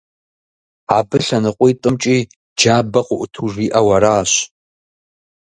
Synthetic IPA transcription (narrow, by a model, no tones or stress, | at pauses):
aːbɨɬɐnɨqʷʼijtʼɨmt͡ʃʼiː | d͡ʒaːbɐqʷʊʔʊtʰuʐiːʔɐwɐɾaːɕ